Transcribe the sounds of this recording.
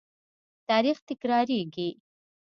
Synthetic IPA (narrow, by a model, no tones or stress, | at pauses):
t̪ɑːɾixt̪ɪkɾɑɾeɡi